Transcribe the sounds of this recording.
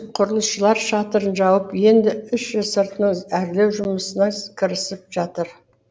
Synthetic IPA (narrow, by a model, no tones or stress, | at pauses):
qʰʊɾəlˠəsʃəlˠɑɾʃɑt̪əɾənʒɑwəpje̞nd̪ɪʏʃʒəzsəɾt̪nəɴæɾlewʒʊməsənɑkʲʰɪɾɪsɪp̚ʒ̥ɑt̪əɾ